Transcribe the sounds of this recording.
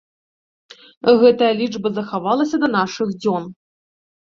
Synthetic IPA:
ɣɛt̪ɐjɐlʲid͡ʐbɐzɐxavalˠɐsʲɐd̪ɐnaʂɨɣd͡zʲɔn

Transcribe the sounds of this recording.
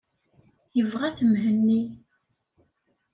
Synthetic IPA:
jəvʁæθəmɦənːi

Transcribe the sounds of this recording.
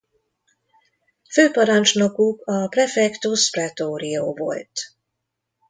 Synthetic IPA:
føːpɒɾɒnt͡ʃnokukɒprɛfɛkt̪usprɛt̪oːɾio̰ːvo̰lt̪

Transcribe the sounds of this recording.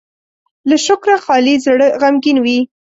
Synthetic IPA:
laʃʊkɾaxɑlizɽəɣamɡinwi

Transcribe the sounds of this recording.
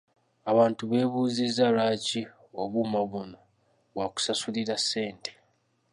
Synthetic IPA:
aβaːntuβe̞ːβuːzizːalaːci | oβumaβuno̞ | βwaku̥sasuliɾasːe̞ːnte̥

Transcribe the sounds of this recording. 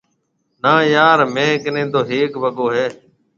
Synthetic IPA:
naːjaːɾmẽːknẽːd̪oːɦeːkbəɠoːɦeː

